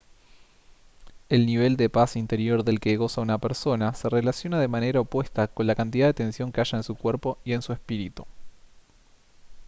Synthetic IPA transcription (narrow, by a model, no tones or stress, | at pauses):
e̞lniβ̞e̞ld̪e̞pasint̪eɾjo̞ɾðe̞lkeɣo̞saunapeɾso̞nase̞relasjo̞naðe̞mane̞ɾaopwe̞st̪ako̞nlakant̪̬iðaðet̪e̞nsjo̞ŋkeaʃaensukwe̞ɾpo̞ie̞nsue̞spiɾit̪u